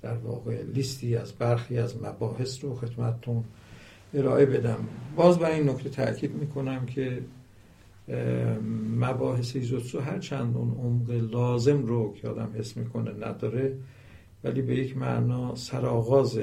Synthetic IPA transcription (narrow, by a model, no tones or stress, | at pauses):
d̪̥æɾvɒ̰ːɣe̞list̪ʰiːæzbæɾxiːæzmæbɒːɦe̞sɾoxe̞t̪mæt̪ʰet̪ʰun | e̞ɾɒːʔe̞be̞d̪æmbɒːzbæinːokʰt̪ʰet̪ʰæ̰ʔcʰiːd̪miːkʰo̞næmkʰe̞ | mæbɒːɦe̞seizot̪soɦæɾt͡ʃʰænd̪unomɣelɒːze̞mɾokʰeɒ̰ːd̪æmhesmiːkʰo̞nenæ̰d̪ɒːɾe | væliːbe̞jecʰmæ̰ʔnɒːsæɾɒːɣɒːze